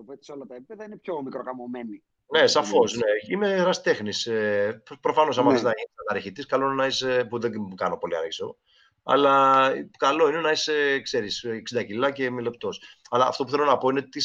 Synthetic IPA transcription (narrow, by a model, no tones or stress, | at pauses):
opet̪i̥solɐt̪ɐepipeðɐinepçomikɾokɐmomeni | ne̞sɐfo̞sne̞imeɾɐst̪e̞xniseppɾo̞fɐno̞s̬ɐmɐiznɐʝinisɐnɐɾçit̪iskɐlo̞inenɐisepuðekɐno̞po̞liɐ̰ɾçiso̞ | ɐ̰lɐkɐlo̞ine̞nɐisekse̞ɾisːksind̪ɐcilɐce̞mile̞pt̪o̞sɐlɐ̰ːft̪opuθelonɐpo̞ineot̪it̪i